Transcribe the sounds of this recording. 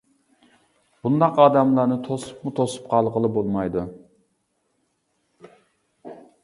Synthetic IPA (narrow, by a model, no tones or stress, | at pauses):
b̥und̪ɑqɑːd̪ɑmlˠɑɾnɨt̪ʰosu̥pmut̪ʰosu̥pqʰɑlˠʁəlˠɨbolˠmɑjd̪u